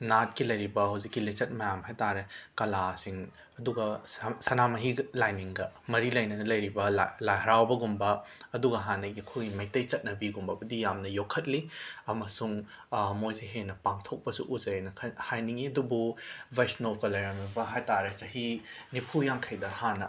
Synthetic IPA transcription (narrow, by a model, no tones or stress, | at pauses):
nat̚kilɐjɾibɐɦɐwzikːilit͡ʃɐt̚mɐjamɦajtaɾekɐlasiŋ | ɐduɡɐsɐnamɐɦiɡlajniŋɡɐmɐɾilɐjnɐnɐlɐjɾibɐalajɦɐɾawbɐɡumbɐːduɡɐɦanɐɡiɐkʰojɡimɐjtɐjt͡ʃɐt̚nɐbiɡumbɐbɐdijamnɐjokʰːɐt̚liɐmɐsuŋ | mojseɦenɐpaŋtʰok̚pɐsuʔuzɐjnɐkʰɐhajniŋiɐdububajsnokɐlɐjɾɐmibɐɦajtaɾet͡ʃɐhinipʰujaŋkʰɐjdɐhanɐ